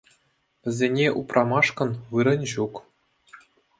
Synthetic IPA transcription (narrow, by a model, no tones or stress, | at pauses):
ʋʲɘ̆zʲenʲeʔuprɑmɑʂkɤ̆nʋɯɾɤ̆nʲʑuk